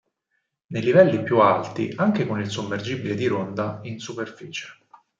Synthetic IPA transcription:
nejlivɛlːipjualt̪ḭʔaŋkekonilsomːerd͡ʒibiled̪iɾond̪ainsuperfiːt͡ʃe̥

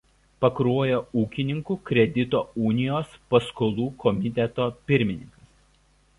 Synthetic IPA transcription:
pɐkɾuɔjoːuːkʲɪnʲɪŋkuːkʲɾʲɛd̪ʲɪt̪oːuːnʲɪjoːspɐskoːlˠuːkʰɔmʲɪt̪ʲɛt̪oːpʲɪɾʲmʲɪnʲɪŋkɐs

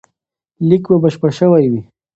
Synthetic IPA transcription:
likbabəʃpəɽʃəwajwi

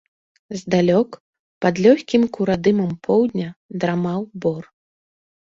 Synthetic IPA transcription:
zd̪alʲɔk | pɐd̪lʲɔxʲkʲimkuɾad̪ɨmɐmpʰɔwd̪ʲnʲɐd̪ɾamawbɔr

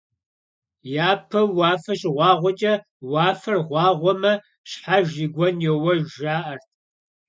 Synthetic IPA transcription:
jaːpʰɐwɑːfɐʃʼɪʁʷɑːʁʷɔt͡ʃʼɐ | wɑːfɐrʁʷɑːʁʷɔmɐ | ɕħaʒiːɡʷɔnjɛwɐʒaːʔɐrtʰ

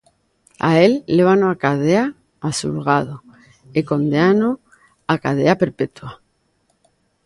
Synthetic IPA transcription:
a̰elːeβanoakaðea | asulɣaðo | ekond̪eano | akað̞eape̞ɾpet̪wa

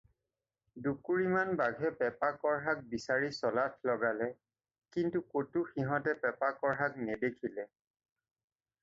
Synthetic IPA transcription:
dukuɹimanbaɡʱɛpɛpakɔɹɦak̚bisaɹisɔlatʰlɔɡalɛ | kintukotuxiɦɔtɛpɛpakɔɹɦaknɛdekʰilɛ

